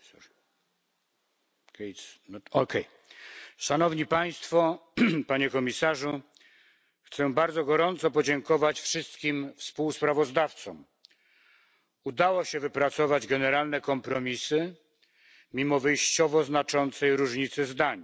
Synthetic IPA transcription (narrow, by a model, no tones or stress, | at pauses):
k̪ | ɔkɛj | ʂanɔvɲipaj̃st̪fɔpaɲɛkɔmʲisaʐu | xt̪sɛbaɾd̪zɔɡɔɾɔnt̪sɔpɔd͡ʑɛŋkɔvat͡ɕfʂɘst̪kʲimfspuwspɾavɔzd̪aft̪sɔm | ud̪awɔɕɛvɘpɾat̪sɔvad͡ʑɡɛnɛɾalnɛkɔmpɾɔmʲisɘ | mʲimɔvɘjɕt͡ɕɔvɔznat͡ʂɔnt̪sɛjɾuʐɲit̪sɘzd̪aɲ